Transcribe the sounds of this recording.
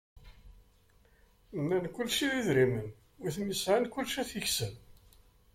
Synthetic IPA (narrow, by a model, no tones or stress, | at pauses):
nːænkːʊlːʃiðiðɾimən | ʊθmisʕənkʊlːʃæθəçsən